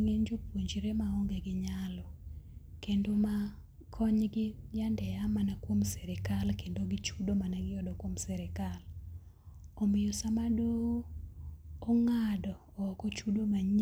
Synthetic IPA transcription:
ŋeɲd͡ʒopwoɲd͡ʒiɾemaɔŋɡeɡɪɲalɔkendoma | kʰɔɲɡɪd͡ʒandɛjamanakwomsɛɾɛkalkendoɡɪt͡ʃudomanaɡɪjɔdɔkwomsɛɾɛkal | omɪjosamado | ŋadɔːkɔt͡ʃudomaɲ

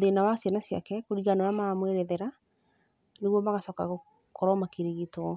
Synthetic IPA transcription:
oðenawasjanasja̰kɛkoɾiɣananamamweɾɛðɛɾa | neɣwɔmaɣasɔkaɣo | koɾɔmakeɾeɣitɔ

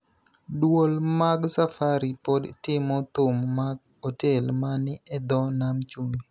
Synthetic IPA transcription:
dwolmaɡsafaɾipɔdtɪmɔt̪ʊmːaɡ | hotɛlmanɪɛd̪ɔnamt͡ʃumbi

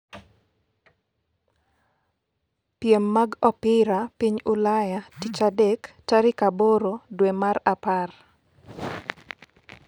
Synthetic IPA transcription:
pjemːaɡɔpɪɾapiɲʊlajatit͡ʃadɛktaɾɪkaboɾodwemaɾapar

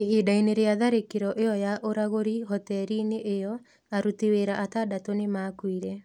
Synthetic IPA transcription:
eɦiːdaineɾeaðaɾekeɾɔʔeɔjaʔoɾaɣoɾiɦɔtɛɾineʔejɔ | aɾutiweɾaʔatadatonemaːkwiɾɛ

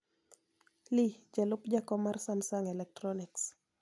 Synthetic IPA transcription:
lid͡ʒalʊpd͡ʒakɔmarsamsaŋɛlɛk̚tɾɔnɪks

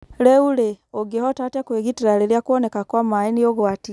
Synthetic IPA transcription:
leuleoɡehɔtatakweɣitiɾaleljakwonekakwamainijoɣwati

